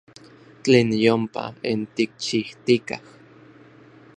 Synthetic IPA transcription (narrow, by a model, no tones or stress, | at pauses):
t͡ɬeːnjompa̰int̪ik̚t͡ʃiht̪ika̰h